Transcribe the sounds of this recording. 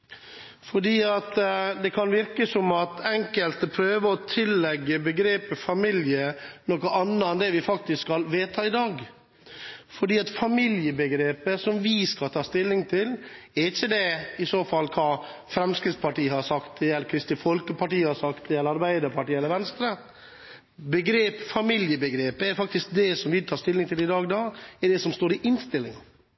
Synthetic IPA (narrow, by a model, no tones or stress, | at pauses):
fɔɖiːɑt̪d̪ɛkʰɑnʋɪɾkəsɔmɑt̪ɛŋkəlt̪pʰɾøːʋəɔt̪ʰɪlːɛɡːəbəɡɾeːpəfɑmɪljənɔkəʔɑnːəɛnd̪ɛʋɪfɑk̚t̪ɪsskɑlʋeːt̪ʰɑːɪd̪ɑːɡ | fɔɖiːɑt̪fɑmɪljəbəɡɾeːpəsɔmʋɪskɑlt̪ʰɑːst̪ɪlːɪŋt̪ʰɪlɛɾɪçːəd̪ɛɪsoːfɑlkʰɑː | fɾɛmskɾɪt̪spɑʈiːhɑʂɑkt̪ɛɛlːəɾkʰɾɪst̪ɪfɔlkəpɑʈiːhɑsɑkt̪ɪjɛlːəɾɑɾbæɪd̪əɾpɑʈiːɛlːəɾʋɛnst̪ɾə | bəɡɾeːpfɑmɪljəbəɡɾeːpəɛɾfɑk̚t̪ɪsk̚d̪ɛsɔmʋɪt̪ʰɑːst̪ɪlːɪŋt̪ʰɪlɪd̪ɑːɡd̪ɑːɛɖɛsɔmst̪oːɾɪʔɪnst̪ɪlːɪŋ